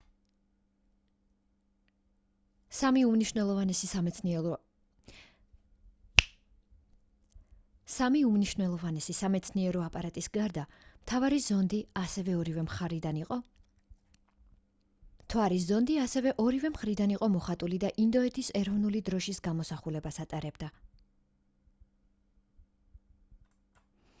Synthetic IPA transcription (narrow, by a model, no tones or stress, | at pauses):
samiumniʃnɛlˠɔan | samiumniʃnɛlˠɔvanɛsisamɛt̪sʰniɛɾɔapʼaɾat̪ʼisɡaɾd̪amt̪ʰavaɾizɔnd̪iasɛvɛɔɾivɛmid̪ʼ | t̪ʰwaɾis̬zɔnd̪iasɛvɛʔɔɾivɛmχɾid̪aniqʼɔmɔχat̪ʼulid̪aʔind̪ɔɛt̪ʰisɛɾɔvnulid̪ɾɔʃisɡamɔsaχulɛbasat̪ʼaɾɛbd̪a